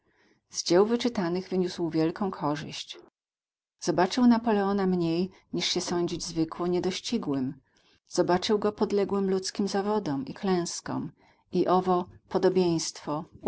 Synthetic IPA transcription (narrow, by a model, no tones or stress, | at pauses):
zd͡ʑɛwvɘt͡ʂɘt̪anɘɣvɘɲuswvʲjɛlkɔ̃w̃kʰɔʐɘ̰ɕt͡ɕ | z̥ɔbat͡ʂɘwnapɔlɛɔnamɲej | ɲiʂɕɛsɔɲd͡ʑid͡ʑzvɘkwɔɲɛd̪ɔɕt͡ɕiɡwɘm | z̥ɔbat͡ʂɘwɡɔpɔd̪lɛɡwɘmlut̪skʲimzavɔd̪ɔmiklɛ̃w̃skɔ̰m | iʔɔvɔpɔd̪ɔbʲjẽj̃st̪fɔ